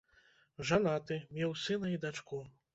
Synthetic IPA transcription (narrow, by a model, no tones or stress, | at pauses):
ʐanat̪ɨmʲɛwsɨnɐid̪at͡ʂku